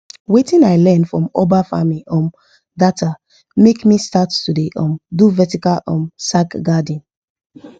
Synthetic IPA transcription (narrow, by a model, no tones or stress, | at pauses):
wetĩnaɪlɛ̃nfɹɔ̃mobafa̰miʔɔ̃m | datʰa | mekmistattudeʔɔ̃mduvɛtikalɔ̃msakɡadĩn